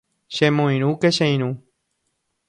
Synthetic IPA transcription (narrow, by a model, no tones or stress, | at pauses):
ʃemõj̃ɾ̃ũkeʃẽj̃ɾ̃ũ